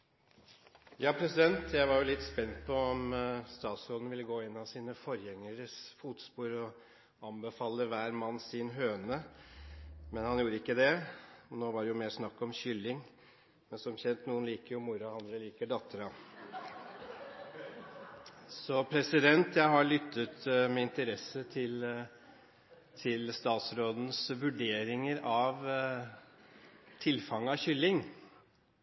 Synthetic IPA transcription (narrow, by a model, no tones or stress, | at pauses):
jɑːpʰɾɛsɪd̪ɛnt̪ʰjæɪʋɑɾjʊlɪt̪ːspɛnt̪pʰɔɔmst̪ɑːt̪sɾoːd̪n̩ʋɪlːəɡoːɪnːɑsiːnəfɔɾjɛŋːəɾəsfuːt̪spuːɾɔ | ɑmbəfɑːlːəʋæːɾmɑnːsiːnɦøːnə | mɛnhɑnjuːɾəɪkːəd̪ɛɔnoːʋɑɖɛjʊmeːsnɑkːɔmɕʏlːɪŋ | mɛnsɔmçɛnt̪nuːənliːkəɾjʊmʊɾɑɑnd̪ɾəliːkəɖɑt̪ːəɾɑ | sɔpʰɾɛsɪd̪ɛnt̪jæɪɦɑɭʏt̪ːət̪mɛɪnt̪əɾɛsːət̪ʰɪl | t̪ʰɪlst̪ɑːt̪sɾoːd̪n̩sʋʉɖeːɾɪŋəɾɑʋ | t̪ʰɪlfɑŋːəɑʋçʏlːɪŋ